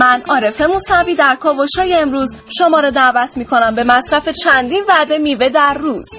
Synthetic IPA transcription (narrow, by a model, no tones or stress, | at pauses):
mænɒːɾe̞fe̞musæviːd̪æɾkʰɒːvoʃɒːjeːmɾuːz | ʃomɒːɾɒːd̪æːvæt̪ʰmiːkʰo̞næmbe̞mæsɾæfe̞t͡ʃʰænd̪invæd̪e̞miːve̞d̪æɾːuːz̥